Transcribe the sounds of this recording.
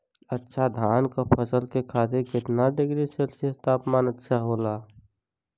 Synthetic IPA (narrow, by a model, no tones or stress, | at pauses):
ətːʃʰad̪ʱaːnkapʰəsəlkekʰaːt̪ekɪt̪naɖɪɡɾiselsit̪aːpmaːnətːʃʰaɦoːlaː